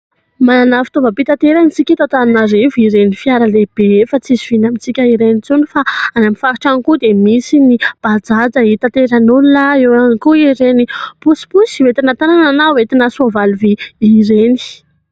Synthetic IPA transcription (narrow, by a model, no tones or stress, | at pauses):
mananafi̥t̪ovbəpit̪at̪eɾanit͡sikʲit̪at̪anunaɾeviɾenifiaɾəleb̥efat͡sizivinamit͡sikʲəiɾenit͡sunifaanamifaɾiʈ͡ʂanikud̪emisinib̥ad͡zad͡zəit̪at̪eɾanunlaewanikuiɾenipusi̥pusiwet̪inat̪aɾananawet̪inasuavaluviiɾeni̥